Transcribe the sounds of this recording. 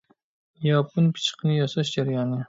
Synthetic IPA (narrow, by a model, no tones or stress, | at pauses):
jɑpʰʊnpʰɪ̥t͡ʃqɨnɪjɒsɑʃd͡ʒaɾjɑnɪ